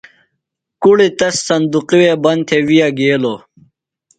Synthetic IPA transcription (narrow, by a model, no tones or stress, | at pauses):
kuɽit̪ɐsːɐnd̪uqiweːbɐnt̪ʰewijaɡeːloː